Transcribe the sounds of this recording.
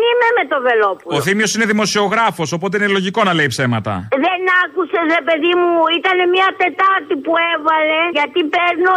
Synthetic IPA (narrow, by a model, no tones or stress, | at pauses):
imemet̪ove̞lopuloθimio̞sineðimo̞sio̞ɣɾɐfo̞so̞po̞t̪̬e̞ine̞lo̞ʝiko̞nɐle̞ipse̞mɐt̪ɐ̰ðenɐkusezɾepe̞ðimuit̪ɐne̞miɐt̪e̞t̪ɐɾt̪ipuevɐle̞ʝɐt̪ipeɾno